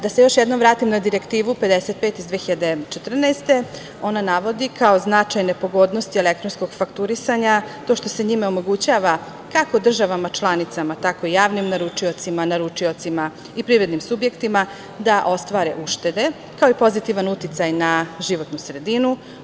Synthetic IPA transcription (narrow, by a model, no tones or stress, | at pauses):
d̪ase̞jo̞ʃjed̪no̞mʋɾaːt̪imnad̪iɾe̞kt̪iːʋupe̞d̪ese̞t̪̚pet̪izd̪ʋeːxiʎad̪e̞t͡ʃet̪r̩nɛːst̪e̞ | o̞nanaʋo̞d̪ikaoznat͡ʃajne̞po̞ɡo̞d̪no̞st̪iele̞k̚t̪ɾo̞nsko̞ɡ̥fakt̪uɾisaɲat̪oʃt̪o̞se̞ɲimao̞mo̞ɡut͡ɕaːʋa | kako̞d̪r̩ʒaʋamat͡ʃlˠanit̪samat̪ako̞ijaːʋnimnaɾut͡ʃio̞t̪simanaɾut͡ʃio̞t̪sima | ipɾiɾe̞d̪nimsubje̞kt̪ima | d̪aʔo̞st̪ʋaːɾḛʔuʃt̪e̞d̪e̞ | kao̞ipo̞zit̪iʋanut̪it̪sajnaʒiʋo̞t̪nusɾe̞d̪inu